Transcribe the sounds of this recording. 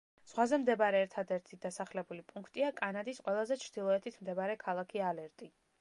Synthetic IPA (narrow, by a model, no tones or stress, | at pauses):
sʁwazɛmd̪ɛbaɾɛːɾt̪ʰad̪ɛɾt̪ʰid̪asaχlɛbulipʼuŋkʰt̪ʼiakʼanad̪isqʼwɛlˠazɛt͡ʃʰɾd̪̥ilˠɔɛt̪ʰit̪ʰmd̪ɛbaɾɛkʰalˠakʰialɛɾt̪ʼi